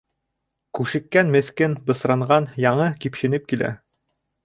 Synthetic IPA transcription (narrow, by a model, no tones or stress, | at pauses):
kʉʃɘ̆kːænmɘ̆θkɘnbɤ̆sɾɑɴɢɑnjɑɴɤkipʃɘ̆nɘp̚kilæ̰